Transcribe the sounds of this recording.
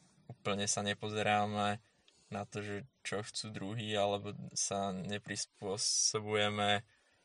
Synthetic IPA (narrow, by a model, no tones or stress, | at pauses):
uːpl̩ɲɛsaɲɛpɔzɛɾaːmɛ | nat̪ɔʒɛt͡ʃɔxt͡suːd̪ɾuɦiːalɛbɔsaɲɛpɾispʊɔsɔbujɛmɛ